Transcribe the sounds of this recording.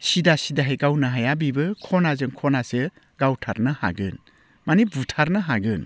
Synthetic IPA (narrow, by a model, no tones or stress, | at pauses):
sidasidaɦajɡawnɐɦajabibɯkʰɔnazɯŋkʰɔnasɯ | ɡawtʰaɾnɯha̰ɡɯ̰n | manibutʰaɾnɯɦaɡɯn